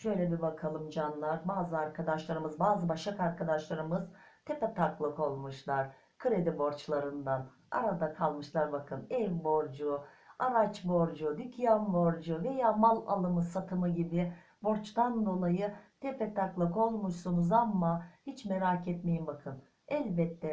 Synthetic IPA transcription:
ʃø̞jlʲɛbibakʰalˠɯmd͡ʒanlˠaɾbaːzɯaɾkʰad̪aʃlˠaɾɯmɯzbaːzɯbaʃakaɾkʰad̪aʃlˠaɾɯmɯz̥t̪ʰepɛt̪ʰaklˠɯko̞lˠmuʃlˠaɾ̥ | kʰɯɾe̞d̪ibo̞ɾt͡ʃlˠaɾɯnd̪an | a̰ɾad̪akʰalˠmɯʃlˠaɾbakʰɯnɛlʲbo̞ɾd͡ʒu | aɾat͡ʃbo̞ɾd͡ʒud̪ycʰjanbo̞ɾd͡ʒuve̞jaːmalˠa̰lˠɯmɯsat̪ʰɯmɯɟibɪ | bo̞ɾt͡ʃt̪and̪o̞lˠajɯt̪ʰepʰɛt̪ʰaklˠako̞lˠmuʃsunuzamːahit͡ʃmeɾaːcʰɛt̪me̞jimbakʰɯn | ɛlʲbɛt̪ʰːɛ

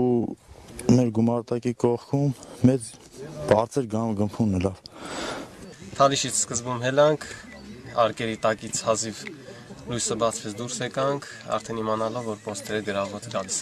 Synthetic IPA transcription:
u | mɛɾɡumɑɾt̪ɑkikɔχkʰumːɛt͡s | b̥ɑɾt͡sʰɛɾɡɑɡəmpʰunəlɑv | t̪ʰɑliʃit͡sʰskəzbumɦɛlɑŋkʰ | ɑɾkɛɾit̪ɑkit͡sʰhɑzivlujsəbɑt͡sʰvɛt͡sʰd̪uɾsɛkɑŋkʰɑ̰ɾt̪ʰɛnimɑnɑlɔvːɔɾpɔst̪ʰɛɾəɡəɾɑvɔt̪ɡɑlis

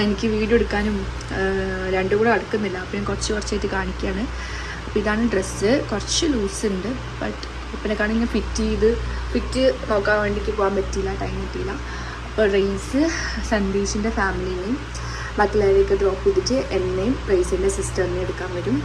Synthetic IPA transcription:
enikʲːɨʋiːɽieɽukːaːnum | ɾeɳɖɨɣuːɽeɐɽɐkːunːilːɐɐpːinkurɐt͡ɕːɨkurɐt͡ɕːɐjitːɨkaːɳikʲːaːɳɨ | ɐpːoiðaːɳɨɖresɨkurɐt͡ɕːɨluːsɨuɳɖɨ | bɐʈː | ipːɐnekːaːɳiɲŋːɐfitːiiðɨ | fitːɨno̞ːkːaːmʋe̞ːɳɖikʲːɨpoːaːmbɐtːiilːɐʈɐjmɐʈːijilːɐ | ɐpːoːrɐjsɨ | sɐnd̪iːsinde̞faːmilijinːejum | bɐt̪ːɐlaːjlekːɨɖo̞ːpːuðit͡ɕːɨʔenːejumrɐjsinde̞sistɐmnːeeɽukːaːnʋɐɾum

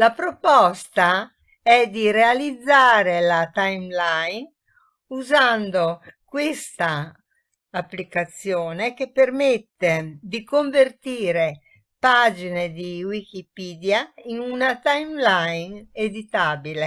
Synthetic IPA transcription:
lapɾopɔst̪a | ɛd̪irealid̪zːaːɾelat̪ajmlajn | uzand̪okwest̪aː | pːlikat̪sjoːnek̟epːermet̪ːed̪ikoɱvert̪iːɾe | pad͡ʒined̪iwik̟ipiːd̪jainunat̪ajmlajned̪it̪aːbile

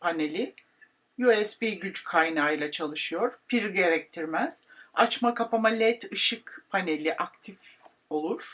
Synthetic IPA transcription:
pʰane̞lʲi | jyɛspiːɟyt͡ʃkʰajnaːjlˠat͡ʃʰalˠɯʃɯjo̞ɾ̥pʰiɾɟe̞ɾɛc̚t̪ʰiɾmæz̥at͡ʃmakapamalʲɛt̪ʰɯʃɯkpʰane̞lʲiʔak̚t̪ʰif | o̞lˠuɾ̥

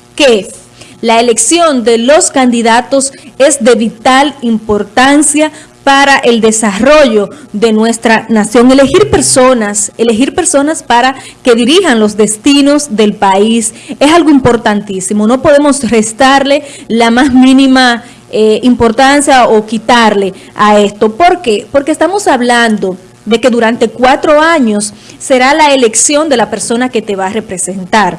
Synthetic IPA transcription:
ke | laele̞ksjo̞nd̪e̞lo̞skand̪iðat̪o̞se̞sd̪e̞βit̪alimpo̞ɾt̪ansja | paɾaʔeld̪e̞saro̞ʝo̞ðe̞nwe̞st̪ɾanasjo̞ŋe̞lehiɾpeɾsonasele̞ɦiɾpe̞ɾso̞naspaɾa | ke̞ðiɾihaŋlo̞sðe̞st̪ino̞sðe̞lpais | esalɣoimpo̞ɾt̪ant̪isimo̞no̞po̞ðe̞mo̞sre̞st̪aɾle̞ | lamasmĩnima | eimpo̞ɾt̪ansjaokit̪aɾle̞ae̞st̪o̞po̞ɾke̞po̞ɾke̞ːst̪amo̞saβland̪o̞ | ðeke̞ðuɾant̪e̞kwat̪ɾo̞aɲo̞sː | e̞ɾalaele̞ksjo̞nd̪e̞lape̞ɾso̞nake̞t̪e̞βaːrepɾese̞nt̪aɾ

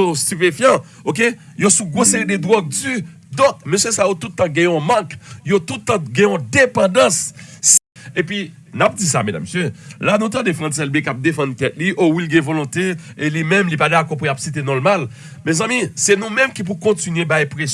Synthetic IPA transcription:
ost̪ypefjɑ̃ | ok̬e | josuɡʁoseʁid̪ed̪wɔd͡zy | d̪ɔ̃k̚møsjøsajot̪ut̪̚t̪ːãɡɛ̃ɔ̃mɑ̃kjot̪utt̪ãɡɛ̃ɔ̃d̪epɑ̃d̪ɑ̃s | epɥi | nap̚d͡zisa̰med̪a̰mːesjølanũt̪ãd̪efʁãsɛlbekap̚d̪efɑ̃nkɛt̪̚liʔowilɡɛ̃volɔ̃t̪eelimɛ̃mlipad̪akɔpujapsit̪enɔ̃lmal | mɛ̃zãmisɛnũmɛ̃mkip̬ukɔ̃tinɥebajpʁes

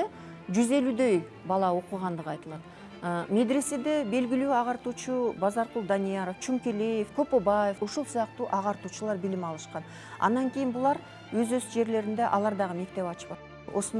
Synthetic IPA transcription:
d͡ʒyze̞lyd̪ø̞j | bɑlˠɑoquʁɑnd̪əʁɑjt̪əlˠɑt̪ | me̞d̪ɾe̞se̞d̪e̞be̞lɡʲilyːɑʁɑɾt̪uːt͡ʃubɑzɑɾqulˠd̪anʲijɑɾoft͡ʃʰuŋkʲeleje̞fkʰo̞pobɑje̞fuʃulˠsujɑq̚t̪uːʔɑʁɑɾt̪uːt͡ʃulˠɑɾbilimɑlˠɯʃqɑn | ɑ̰nd̪ɑŋkʲijinbulˠɑɾ | wøzøsd͡ʒe̞ɾle̞ɾind̪e̞ʔɑlˠɑɾd̪ɑʁəme̞k̚t̪e̞pɑt͡ʃpɑ | o̞̰son

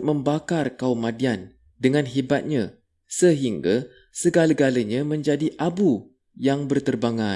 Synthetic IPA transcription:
mə̃mbakarkaumãdian | dəŋãnɦibat̪̚ɲã | səɦiŋɡa | səɡalaɡalaɲãmə̃ɲd͡ʒadiʔabu | jaŋbərt̪ərbaŋã

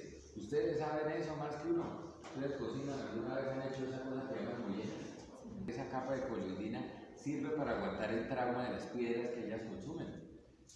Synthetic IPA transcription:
ust̪e̞ðesaβene̞somaskeunoust̪e̞ðesko̞sinosalɡunaɾakanet͡ʃoesaolapeɾemazmujenas | eesakapaðe̞kolojd̪ina | siɾbe̞paɾaːɣwant̪aɾe̞lt̪ɾawmaðe̞laspwje̞ðɾaskeeʝaskonsumen

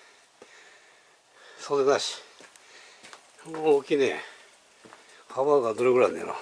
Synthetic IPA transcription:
sod̪enaɕi̥ | okʲinẽ | haβaɡad̪oɾeɡɯɾanḛno̰

